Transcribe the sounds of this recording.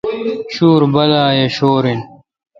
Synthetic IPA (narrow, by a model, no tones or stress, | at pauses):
ɕuːɾbɐlaːjeɕoːɾin